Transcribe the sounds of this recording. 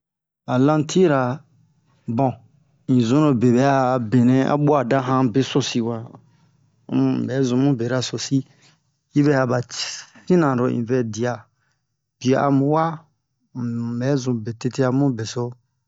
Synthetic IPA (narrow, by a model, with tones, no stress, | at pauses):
a˨lã˦ntʰi˦ɾa˨ | bɔ̃˨ | ĩ˨zũ˦ɾo˨be˨bɛ˨˦a˨be˨nɛ̃˦a̰˦bu˦a˨da˦ɦã˦be˦so˦si˨wa˨˦˨ | bɛ˨˦zũ˨mũ˦be˨ɾa˦so˨si˦ | i˦bɛ˦ha˨ba˨tĩ˦nã˨ɾo˨ḭ̃˨vɛ˦di˨a˨ | b̥i˨a˨ʔa̰˨mũ˨wa˦˨ | bɛ˨˦zũ˨be˨te˧te˦a˨mũ˦be˨so˦